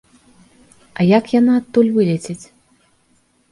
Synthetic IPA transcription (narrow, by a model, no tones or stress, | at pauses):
ɐjakjanaɐt̪ːulʲvɨlʲɛt͡sʲet͡sʲ